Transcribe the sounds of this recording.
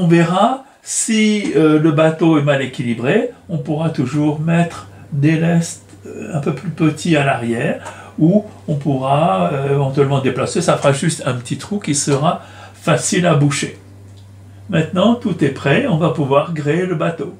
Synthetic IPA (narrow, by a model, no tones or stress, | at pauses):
ɔ̃vɛʁa | siøləbat̪oɛmalekʲilibʁeɔ̃puʁat̪uʒuʁmɛt̪χd̪elɛst̪ | ɛ̃pøplypət̪ʰialaʁjɛːʁ | u | ɔ̃puʁaøevɑ̃t̪ɥɛlmɑ̃d̪eplasesafəʁaʒyst̪ɛ̃pət̪it̪χukʲisəʁa | fasilabuʃe | mɛ̃t̪nɑ̃t̪ut̪ɛpχɛɔ̃vapuvwaʁɡʁeeləbat̪o